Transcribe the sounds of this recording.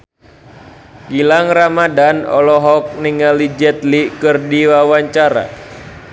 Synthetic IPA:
ɡilaŋramadanɔ̰lɔɦɔk̚niŋalid͡ʒɛt̪likɨrdiwawaɲt͡ʃaɾa̰

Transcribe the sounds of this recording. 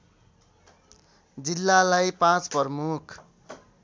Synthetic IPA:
d͡zilːalajpãt͡spʌrmukʰ

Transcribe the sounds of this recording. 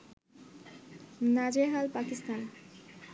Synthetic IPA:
nad͡ʒeɦalpakist̪an

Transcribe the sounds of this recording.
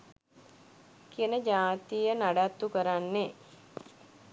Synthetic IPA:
kijənəd͡ʒaːt̪ijənaɖat̪ːukəɾanːe

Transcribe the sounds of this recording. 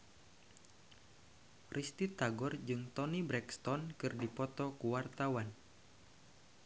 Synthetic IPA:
rist̪it̪aɡɔrd͡ʒɨŋt̪ɔnibɾɛkst̪ɔnkɨrdipɔt̪ɔkuwart̪awan

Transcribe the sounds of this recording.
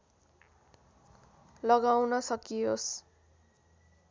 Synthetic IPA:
lʌɡawnʌsʌkijos

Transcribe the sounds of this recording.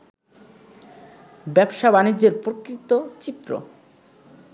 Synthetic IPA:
bɛbʃabanid͡ʑːeɾpɾokɾit̪ːot͡ɕit̪ːɾo̰

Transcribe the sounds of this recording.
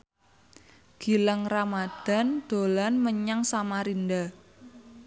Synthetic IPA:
ɡ̥i̤ləŋramad̪̥a̤nd̪̥o̤lanməɲaŋsamaɾind̪a

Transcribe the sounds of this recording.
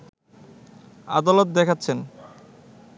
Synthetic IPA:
a̰d̪alot̪̚d̪ɛkʰatːɕʰen

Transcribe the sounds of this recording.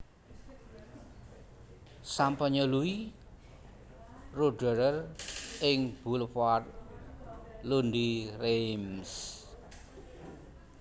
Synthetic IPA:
sampəɲəlui | roɖə̤ɾərɪŋb̥ulfar̚ | lund̪irems

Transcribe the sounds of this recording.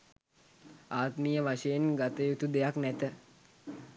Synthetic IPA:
aːt̪miːjəʋaʃəjenɡat̪əjut̪ud̪ejaknæt̪ə

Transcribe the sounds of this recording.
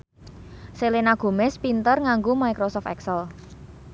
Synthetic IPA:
selenaɡ̥o̤mɛspint̪ərŋaŋɡomajkɾɔsɔft̪ɛksəl

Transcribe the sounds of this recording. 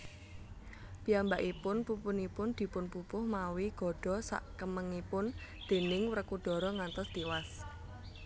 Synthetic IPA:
piambaʔipʊnpupʊnipʊnd̪̥i̤pʊnpupʊhmawiɡ̥ɔ̤ɖ̥ɔ̤sa̰ʔkəməŋipʊnd̪̥e̤nɪŋwrəkuɖ̥ɔ̤ɾɔŋant̪ɔst̪iwas

